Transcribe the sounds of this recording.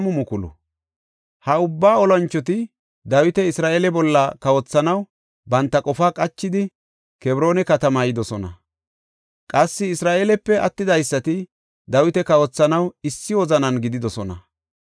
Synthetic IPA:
mʊmʊkʊlʊ̰ | hɐʊbːaːɔlɐnt͡ʃːɔt̪̬ɪ | d̪ɐwɪt̪ɛɪsɾaːʔeːlɛbɔlːɐkɐwɔt͡sːɐnɐw | bɐnt̪ːɐkʼɔfaːkʼɐt͡ʃːɪd̪ɪ | kɛbɪɾo̞ːnɛkɐt̪ɐmajɪd̪ɔsɔnɐ̰ | kʼɐsːɪɪsɾaːʔe̞ːlɛpːɛɐt̪ːɪd̪ɐjsːɐt̪ɪ | d̪ɐwɪt̪ɛkɐwɔt͡sːɐnɐwɪsːɪwɔzɐnɐnɡɪd̪ɪd̪ɔsɔnɐ

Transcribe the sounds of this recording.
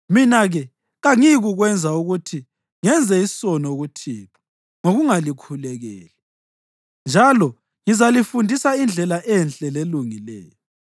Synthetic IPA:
minaɣɛ | ɣaŋiɣuɣwɛnd͡zʱauɣutʰi | ŋɛnd͡zʱɛisɔnoɣutʰiːpʰḁ | ŋoɣuŋalikʰulɛɣɛ̰ːlɛ | nd͡ʒʱalɔ | ŋizalifundʱisaind͡ɮʱɛlaʔɛnt͡ɬʼɛleluŋilɛ̰ːjɔ

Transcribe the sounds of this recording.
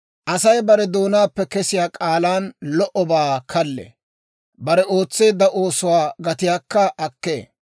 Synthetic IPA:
ʔɐsɐjbɐɾɛd̪o̞ːnaːpːɛkɛsɪjaːkʼaːlaːnlɔʔɔbaːkʰɐlːɛ̰ | bɐɾɛo̞ːt͡sːe̞ːd̪ːɐʔo̞ːsʊwaːɡɐt̪ɪjaːkːɐʔɐkːḛː

